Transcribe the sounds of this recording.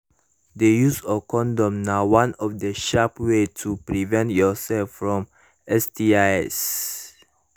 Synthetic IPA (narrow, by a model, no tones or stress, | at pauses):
dejusɔkʰɔ̃ndɔ̃mnawãnɔfdəʃapwetʰupɹivɛ̃ntjɔsɛlffɹɔ̃m | ɛstiaɛs